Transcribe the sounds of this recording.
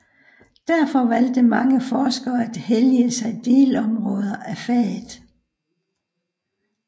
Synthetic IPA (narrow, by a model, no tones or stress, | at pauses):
d̥æɐfɒ̽ʋæl̰d̥əmɑ̈ŋəfɒːsɡ̥ɐːæd̥heljəsɑ̈ɪd̥e̝ːlɒ̽mʁɔ̽ːð̞ˠɐʔæfɛːðˠ